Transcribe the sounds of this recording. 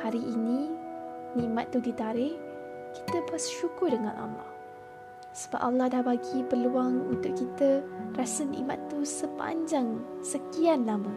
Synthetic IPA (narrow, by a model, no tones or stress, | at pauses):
haɾiʔːnĩ | nĩmat̪ːudit̪aɾɪh | ki̥t̪əpasʃukʊrdəŋã̰na̰ma̰ | sə̥ba̰p̚ʔalːɑhdahbaɡipəluaŋunt̪ʊʔ̚kit̪ərasənḭ̃ʔma̰t̪ːusəpa̰ɲd͡ʒaŋsəkianlamə